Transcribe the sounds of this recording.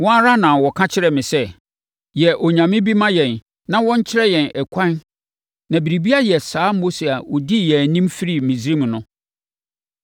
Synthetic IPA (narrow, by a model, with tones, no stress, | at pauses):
wɔ̃˦a˦ɾa˦nã˨wɔ˨kʰã˦t͡ɕʰɪ˦ɾɛ˨mɪ̃˨sɛ˦ | jɛ˨ʔɔ˨ɲã˨mɪ̃˦bi˦mã˦jɛ̃˨n | nã˦wɔ̃˦ɲ̩˦t͡ɕʰɪ˦ɾɛ˦jɛ̃˨nʔɛ˨kʷʰã˦n | nã˨bi˨ɾi˨bi˦a˦jɛ˨saː˨˦mo˦se˨a˨wɔ˨di˦jɛ˨nĩ˦mfi˦ɾi˦˨mĩ˨zɾĩ˦m̃˨nʊ̃˦